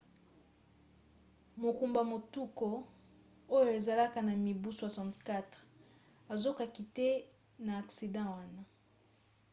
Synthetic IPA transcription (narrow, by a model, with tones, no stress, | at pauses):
mo˨ku˨mba˨mo˨tu˦ko˨ | o˦jo˨e˨za˨la˦ka˨na˨mi˨bu˦sa˨sã˨tka˦tʁ | a˨zo˦ka˨ki˨te˦ | naː˨ksi˨dɑ̃˦wa˦na˨